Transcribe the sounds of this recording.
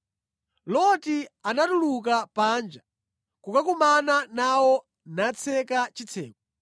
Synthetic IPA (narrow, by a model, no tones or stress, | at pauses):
lɔtianatuluk̬apaːnd͡ʒa | kukakumananawɔ | nat͡sʰɛkat͡ʃit͡sʰɛ̰ːkɔ